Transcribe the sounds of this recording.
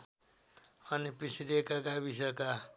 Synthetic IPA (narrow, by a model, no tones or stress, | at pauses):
ʌnipisiɾekaɡabisʌka